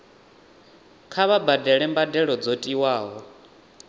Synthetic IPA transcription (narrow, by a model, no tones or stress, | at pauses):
kʰaβabadɛɺɛmbadɛɺɔd͡zotʼiwaːɦɔ